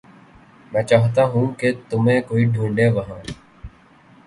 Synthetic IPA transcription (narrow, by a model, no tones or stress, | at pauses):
mɛ̃ːt͡ʃaːɦt̪aːɦũːkeːt̪ʊmẽːkoːiːɖʱũːɳɖeːʋəɦãː